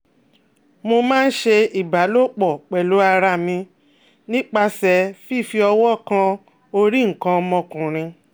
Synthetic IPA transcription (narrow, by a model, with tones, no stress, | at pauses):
mo˧mãː˦n̩˦ʃe˧i˨ba˨˦lo˦˨k͡pɔ˨k͡pɛ˨lo˨˦a˧ɾa˧˨mĩ˧ | nĩ˦k͡pa˧sɛ˧fi˦˨fi˧ɔ˧wɔ˦˨kã˧ | o˧ɾi˦ŋ̩˨kã˧mɔ̃˧kũ˨ɾ̃ĩ˧